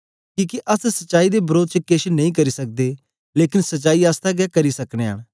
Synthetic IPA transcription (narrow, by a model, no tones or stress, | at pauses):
kĩːkeʔɐssɐtt͡ʃaːid̪ebɐɾoːd̪̚t͡ʃəkeʃnɐ̃ĩːk̬ɐɾisɐk̚d̪eː | leːkɪnsɐt͡ʃaːiaːst̪ʰaɡɛkɐɾisɐkɽ̃eːa̰ːɽ̃